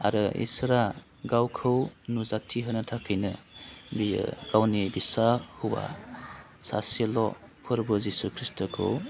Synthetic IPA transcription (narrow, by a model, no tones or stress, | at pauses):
a̰ɾɯḭsɾa | ɡawkʰɯwnuzatʰiɦɯnɯtʰakʰɯjnɯ̰bḭɡ̥awnibisahuwa̰ | sa̰selɔ | pʰɯɾbɯzisukʰɾistɔkʰɯ̰w